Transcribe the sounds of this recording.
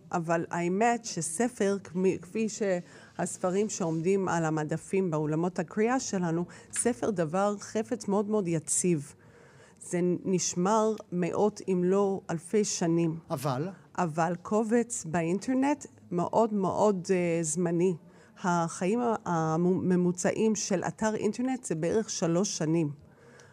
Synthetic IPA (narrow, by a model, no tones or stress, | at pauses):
ʔavalaemetʃesefe̞ʁkikfiʃe | hasfaʁimʃeo̞mdima̰lamadafimbeolamo̞thakʁiaʃe̞lanusefeʁdavaʁχe̞fet͡smeo̞dmeo̞djat͡siv | z̥eniʃmaʁmeʔo̞tʰimlo̞alfe̞jʃanimavalʔavalkʰo̞vet͡sbeintʰeʁne̞t | mḛʔo̞dmḛʔo̞dzmani | haχajimaame̞mut͡sa̰ʔimʃe̞lʔa̰taʁʔḭnteʁne̞tz̥ebeeʁe̞χʃalo̞ʃːanim